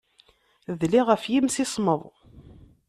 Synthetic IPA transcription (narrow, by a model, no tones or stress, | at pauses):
ðliʁəfjimsɪsˤməðˤ